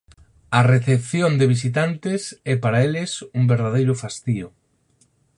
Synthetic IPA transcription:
ɐreθepθjond̪eβ̞is̬it̪ant̪ɪsɛpaɾaelɪsumbeɾðaðejɾʊfast̪iʊ

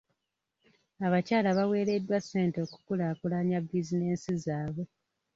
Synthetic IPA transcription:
aβacaːlaβawe̞ːɾe̞dːwasːe̞ːnto̞ːku̥kulaːkulaɲabizine̞ːnsizaːβwe̞

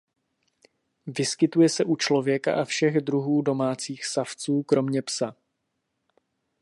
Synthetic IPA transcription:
vɪskɪt̪ujɛsɛʔut͡ʃlo̞vjɛka̰ʔafʃɛɣdɾuɦuːdo̞maːt͡siːxsaft͡suːkɾo̞mɲɛpsa

